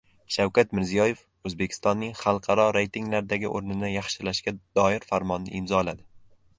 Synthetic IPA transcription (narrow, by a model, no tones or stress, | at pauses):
ʃawkʰʲat̪mɪɾzijɒje̞f | ɵzbekʲʰɪ̥st̪ɒnːɪŋχɑlˠqʰɑɾɒɾejt̪ʰiŋlaɾd̪aɡʲɪʔoɾnɪnɪjɑχʃɪlaʃkʲad̪̥ɒɪɾfaɾmɒnːɪ̰ɪmzɒlad̪ɪ